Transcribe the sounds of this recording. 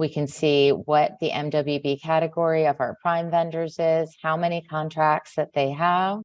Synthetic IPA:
wikʰɨ̃nsiwʌt̪̚ðiʔɛ̰̃mdʌbibikʰæɾɨɡɔɹiʌvaʊə˞pʰɹ̥ãɪ̃mvɛ̃ndə˞zɪz̥haʊmɛñikʰɑ̃ntʰɹ̥æk̚tsðɨt̪̚ðeɪəv̥

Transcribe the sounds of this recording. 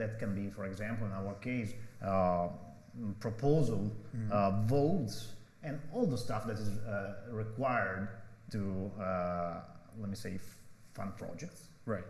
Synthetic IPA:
d̪æt̪kɛ̃nbifɔɹɛɡzæ̃mpl̩ˠɪ̃nawə˞kʰeɪs | pʰɹɔpʰozəlˠ | vots | ɛ̃nɔlˠd̪əst̪afd̪ætɪzɹikwajə˞ɹdtu | lɛt̚miseɪfã̰nd̪̚pʰɹɔ̰d͡ʒɛk̚ts | ɹat

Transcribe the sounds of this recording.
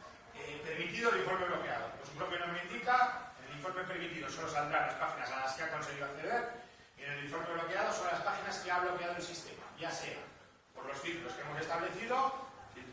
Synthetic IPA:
epe̞ɾmit̪iðoeliɱfo̞ɾme̞β̞lo̞ke̞að̞oposuŋkɾokjenomend̪ikaeliɱfo̞ɾmeepeɾmit̪iðo̞solo̞sald̪ɾaɾlaspaxinasalaskeako̞nse̞ɣiðoakθe̞ðe̞ɾ | ene̞liɱfo̞ɾme̞β̞lo̞ke̞aðo̞so̞nlaspaχinaskeaβlo̞ke̞að̞oe̞lsist̪e̞ma̰ʝase̞a̰ | po̞ɾlo̞sθiklo̞skeemo̞sest̪aβle̞θiðo̞

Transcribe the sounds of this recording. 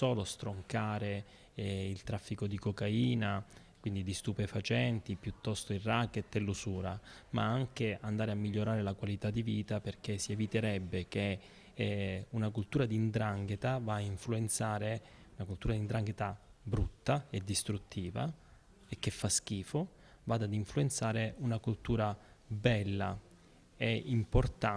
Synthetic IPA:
soːlost̪ɾoŋkaːɾe | ilt̪ɾafːikod̪ikokaiːna | kwind̪id̪ist̪upefat͡ʃɛnt̪ipjut̪ːɔst̪oiraket̪ːelːusuːɾama̰aŋkeand̪aːɾeamːiʎːoɾaːɾelakwalit̪ad̪iviːt̪aperk̟esievit̪eɾɛbːek̟e | unakult̪uːɾad̪ind̪ɾaŋɡet̪avaːiɱfluent̪saːɾe | unakult̪uːɾad̪ind̪ɾaŋɡet̪a | bɾut̪ːaed̪ːist̪ɾut̪ʰːiːva̰ | ekːefːask̟iːfo | vaːd̪ad̪iɱfluent̪saːɾeunakult̪uːɾabɛlːa | eimport̪a

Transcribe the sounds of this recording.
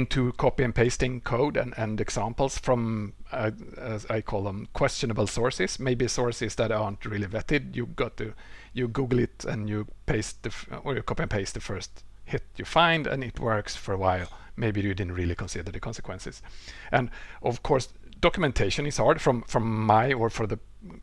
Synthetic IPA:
ɪ̃ntʰukʰɔpiɨ̃npʰeɪstɪ̃ŋkʰoʊdɨ̰̃nɨ̃nɛɡsæ̃mpl̩ˠsfɹʌ̃m | æzaɪkʰɔlˠðə̃mkʰw̥ɛst͡ʃɨnəbl̩ˠsɔɹsɪsmeɪbisɔɹsɪzðæɾɑɹntʰɹɪlˠivɛtɪdjɨɡɑt̪̚ðɨjɨɡuɡl̩ˠɪtɨ̰̃njɨpʰeɪsðɨfə˞jɨkʰɔpɨ̃npʰeɪsðɨfɜ˞sthɪt̪jɨfãɪ̃ndɨ̰̃nɪtwɜ˞ksfɔɹəwaɪlˠmeɪbiɨdɪdⁿn̩tɹɪlˠɪkʰɔ̃nsɪd̪ə˞ðɨkʰɑ̃nsəkwɛ̃nsɪ̰sʔɨ̃nʔɔv̥kʰɔɹs | d̥ɑkjəmɛ̃ntʰeɪʃɨ̃nɪz̥hɑɹdfɹʌ̃mfɹɔ̃mːaɪə˞fɔ˞ðə

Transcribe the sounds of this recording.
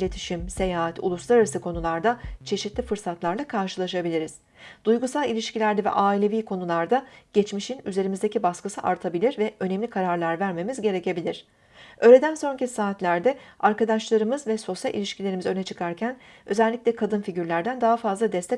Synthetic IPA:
lʲet̪ʰi̥ʃimse̞jaːɦat̪ʰṵlˠuslˠaɾaɾasɯkʰo̞nulˠaɾd̪at͡ʃʰe̞ʃit̪lʲifɯɾsat̪lˠaɾlˠakʰaɾʃɯlˠaʃabilʲiɾiz̥ | d̪̥ujɡusalˠilʲiʃcilʲæɾd̪ɛvɛ̰ʔaːilʲe̞viːkʰo̞nulˠaɾd̪aɟ̥ɛt͡ʃmiʃinyze̞ɾimizd̪ecibaskɯsɯʔaɾt̪ʰabilʲiɾvɛʔø̞nɛmlʲikʰaɾaɾlˠaɾvæɾme̞mizɟe̞ɾe̞ce̞bilʲiɾ̥ | ø̞ːlʲe̞d̪ænso̞ncisaːt̪lʲæɾd̪ɛaɾkad̪aʃlˠaɾɯmɯzvɛso̞sja̰lʔḭlʲiʃcʰilʲeɾimizø̞nɛt͡ʃʰɯkʰaɾcʰæn | ø̞zɛlʲːicʲlʲɛkʰad̪ɯnfiɟyɾlʲæɾd̪ænd̪aɦafazlˠad̪ɛst̪ʰɛ

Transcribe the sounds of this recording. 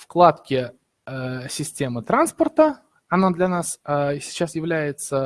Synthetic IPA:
fklˠat̪kʲɪ | sʲɪsʲtʲe̞mɨt̪ɾanspərt̪ə | ɐnad̪lʲɐnassʲɪ̥t͡ɕːasjɪvlʲæjɪt̪sə

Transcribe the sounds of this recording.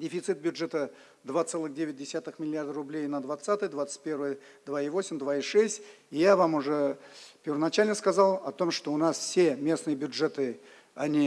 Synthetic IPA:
dʲɪfʲɪt̪sɨt̪̚bʲjʊdʐɛt̪ə | d̪vat̪sɛlˠɨxdʲevʲɪt̚ʲdʲɪsʲat̪ɨxmʲɪlʲɪard̪ərʊblʲejnəd̪vat̪sat̪ɨjəd̪vat̪sə̥t̪̚ʲpʲe̞rvəjə | d̪vaivo̞sʲɪmd̪vaiʂɛsʲtʲ | ɪjavamʊʐɛpʲɪrvənɐt͡ɕalʲnəskɐzɑlˠɐt̪o̞mʂt̪o̞ʊnasfsʲe̞mʲe̞snɨjəbʲjʊdʐɛt̪ɨ | ɐnʲi

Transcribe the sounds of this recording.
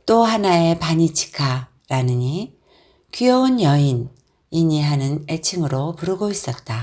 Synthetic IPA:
t͈ohanae̞paɲit͡ɕʰi̥kʰa | ɾanɯɲi | kijʌunjʌin | iɲiɦanɯne̞t͡ɕʰiŋɯɾopuɾɯɡois͈ʌt̚t͈a

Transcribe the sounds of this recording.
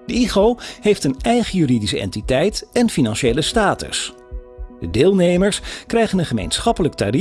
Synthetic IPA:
d̥əiχowɦejftənɛjχəjyridisəɛ̰ntitɛjtɛnfinɑnʃejləstaːtə̰s | d̥ədɪːlˠnejməɹskrɛjχənənχəmḛjnsχɑpələk̚ta̰ːɾi

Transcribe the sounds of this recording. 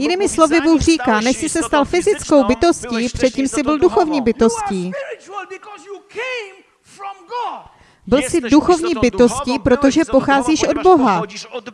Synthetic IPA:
jɪniːmɪslo̞vɪbuːxr̝iːkaːnɛʃsɪsɛst̪alfɪzɪt͡sko̞wbɪt̪o̞sciːpr̝̥ɛt̪̚ciːmsɪbɪlduxo̞vɲiːbɪt̪o̞sciː | bɪlsɪduxo̞vɲiːbɪt̪o̞sciːpɾo̞t̪o̞ʒɛpo̞xaːziːʃʔo̞dbo̞ɦa

